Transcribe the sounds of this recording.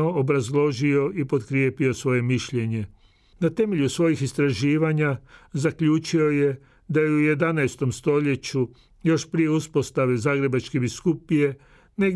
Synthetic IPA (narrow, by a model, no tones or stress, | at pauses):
oobɾazlˠo̞ʒio̞ʔipo̞d̪kɾje̞ːpio̞sʋo̞je̞miʃʎe̞ɲe̞ | nat̪e̞me̞ʎusʋo̞jixist̪ɾaʒiːʋaɲazakʎuːt͡ʃio̞je̞ | d̪ajeuje̞d̪anajst̪o̞mst̪o̞ʎe̞t͡ɕu | jo̞ʃpɾije̞uspo̞st̪aʋezaːɡɾe̞bat͡ʃkebiskupije̞ | neɡ